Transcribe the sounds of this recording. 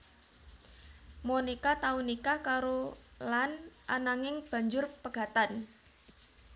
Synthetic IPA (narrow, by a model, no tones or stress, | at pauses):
monikat̪aunikakaɾo | lanʔanaŋɪŋb̥a̤ɲd͡ʒʊrpəɡ̥a̤t̪an